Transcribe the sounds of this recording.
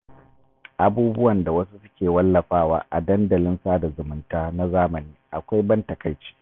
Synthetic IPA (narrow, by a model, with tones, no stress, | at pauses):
ʔa˨buː˦bʊ˦wɐ˨nda˨wɐ˦su˦sʊ˦kʲeː˨wɐ˦lːɐ˨ɸaː˦waː˦ʔa̰˨dɐ˦ndɐ˨lɪ˦nsaː˦da˨zʊ˨mʊ˨ntaː˦na˦zaː˦mɐ˨niː˦ʔa˨kʷa˦jbɐ˦ntɐ˨kɐ˨jt͡ʃi̥ː˦